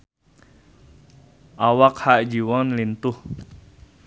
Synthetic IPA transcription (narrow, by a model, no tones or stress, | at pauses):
ʔawakhaʔd͡ʒiwanlint̪ʊh